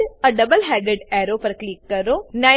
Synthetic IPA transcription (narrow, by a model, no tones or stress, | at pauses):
ɐɖɐbəlɦɛːɖeɖɛːɾoːpɐɾkliːkːɐɾoːnɐ